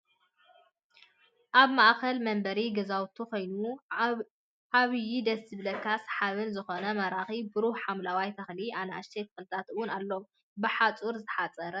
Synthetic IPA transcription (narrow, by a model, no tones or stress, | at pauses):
ʔaβmaʔkɐlmɐmbɐɾiɡɐzawt̪ʰukʰo̞jnu | ʕaβɨjid̪ɐsɨblɐkʰːasħaβɨnzɨxonɐmɐɾaxibɨɾuhħamlawajt̪ʰɐxliʔanɐaʃt̪ʰejt̪ʰɨ̥xɨlɨt̪ʰat̪ɨwʊnalːo̞ | bɨħat͡sʼuɾzɨħat͡sʼɐɾɐ